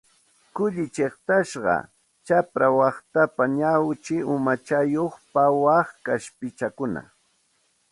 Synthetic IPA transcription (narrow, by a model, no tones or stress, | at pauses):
kʊʎɪt͡ʃeχt̪aʃɢɑ̰ | t͡ʃapɾawɑχt̪apaɲawt͡ʃɪʊmat͡ʃajoχpawɑχkaʃpɪt͡ʃakʊna̰